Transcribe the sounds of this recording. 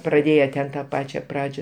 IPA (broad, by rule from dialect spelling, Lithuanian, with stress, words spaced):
prɐˈdʲeːjɛ tʲɛn tɐ ˈpɑːt͡ʃʲɛ ˈprɑːd͡ʒʲɛ